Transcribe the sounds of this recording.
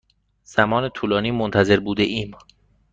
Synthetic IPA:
z̥æmɒːne̞t̪ʰuːlɒːniːmont̪ʰæze̞ɾbuːd̪eʔiːm

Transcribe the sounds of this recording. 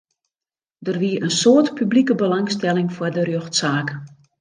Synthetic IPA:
dərʋiəʔənsoːtpyblikəbəlaŋstɛlɪŋfwardərjøxtsaːk

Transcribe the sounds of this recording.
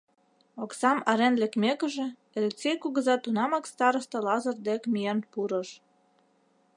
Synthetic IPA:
oksɑmɑɾenlekmekə̆ʒĕ | elet͡sejkuɣə̆zɑt̪ːunɑmɑkst̪ɑɾəst̪ɤ̆lɑzɤ̆rd̪ekmijenpuɾə̆ʃ

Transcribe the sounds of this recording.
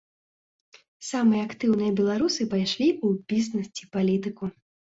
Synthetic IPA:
samɨjɐakt̪ɨwn̪ɨjɐbʲɛlˠaɾusɨpajʂlʲiubʲiznɐsʲt͡sʲipalʲit̪ɨku

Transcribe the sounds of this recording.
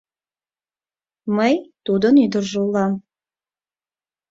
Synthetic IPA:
məjt̪ud̪ənid̪əɾʒulˠɑm

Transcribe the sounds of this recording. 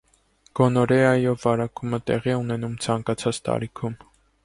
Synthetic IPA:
ɡ̥ɔnɔɾɛɑjɔvːɑɾɑkumət̪ɛ̰ʁiɛun̪ɛnumt͡sʰɑŋkɑt͡sʰɑt͡st̪ɑ̰ɾikʰum

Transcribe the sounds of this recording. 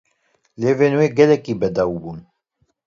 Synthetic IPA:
leːveːnweːɡɛlɛkiːbɛd̪ɑːwbuːn

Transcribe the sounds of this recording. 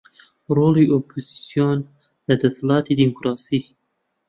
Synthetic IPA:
ɾoliopʰozisijon | lad̪aslɑt̪id̪imʊkɾɑsi

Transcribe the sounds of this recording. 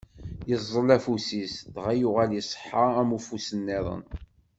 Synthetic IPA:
jəzˤːəlæfusisðʁæjʊʁæljisˤħːəæmufusənːɪðˤə̰n

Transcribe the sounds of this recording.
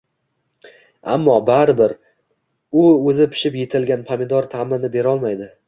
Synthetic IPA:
a̰mːɒbaɾɪbɪɾ | ʊɵzɪpʰɪ̥ʃɪpje̞t̪ʰɪlɡʲanpʰamɪd̪ɒɾt̪ʰamɪnɪbe̞ɾɒlˠmajd̪ɪ

